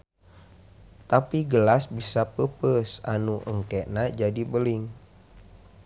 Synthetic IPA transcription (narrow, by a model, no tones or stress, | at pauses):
t̪apiɡəlasbisapəpəsanuʔəŋkɛnad͡ʒadibəliŋ